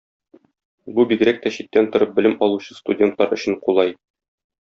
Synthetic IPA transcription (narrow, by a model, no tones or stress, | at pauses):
bubiɡɘ̆ɾæk̚t̪æɕit̪ːænt̪ŏɾɤp̚bɘ̆lɘmʔɒlˠuɕɤ̥st̪udʲent̪lɑɾɵ̆ɕɘ̆ɴqulˠɑj